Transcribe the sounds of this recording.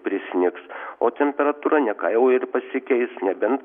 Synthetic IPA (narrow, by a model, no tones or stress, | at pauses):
pʲɾʲɪsʲɪnʲɪksoːt̪ʲɛmʲpʲɛɾɐt̪uːɾɐnʲɛkɐɪʊɪɾpɐsʲɪkʲɛɪsnʲɛbʲɛnd̪